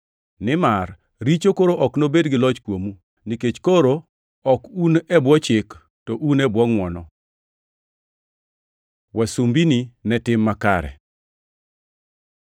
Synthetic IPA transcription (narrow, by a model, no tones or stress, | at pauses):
nɪmar | ɾit͡ʃokoɾoʔɔknobedɡɪlɔt͡ʃkwomu | niket͡ʃkoɾo | ɔkunɛbwɔt͡ʃɪk | tɔʔunɛbwɔŋwɔnɔ | wʔasumbininɛtɪmːaka̰ɾɛ̰